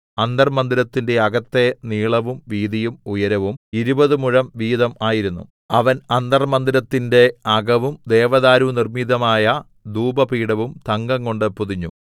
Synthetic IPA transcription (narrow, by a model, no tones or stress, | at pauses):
ɐnd̪ɐrmɐnd̪iɾɐt̪ːinde̞ɐɡɐt̪ːe̞niːɭɐʋumʋiːðijumujɐɾɐʋumiɾubɐðɨmuɻɐmʋiːðɐmaːjiɾunːṵ | ɐʋɐnɐnd̪ɐrmɐnd̪iɾɐt̪ːinde̞ɐɡɐʋumd̪eːʋɐðaːɾunirmiðɐmaːjɐ | d̪uːbɐpiːɽɐʋumt̪ɐŋɡɐŋko̞ɳɖɨpuðiɲːṵ